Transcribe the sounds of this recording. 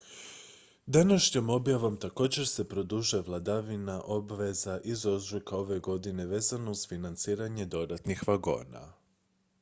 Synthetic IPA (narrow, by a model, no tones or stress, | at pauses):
d̪anaʃɲomo̞bjaʋo̞mt̪ako̞ːd͡ʑe̞ɾse̞pɾo̞d̪uʒeʋlˠad̪aʋinaʔo̞bʋe̞zaʔizo̞zʒokao̞ʋe̞ɡo̞d̪ine̞ʋe̞ːzano̞uz̥finant̪siːɾaɲe̞d̪o̞d̪at̪nixʋaɡo̞̰ːna̰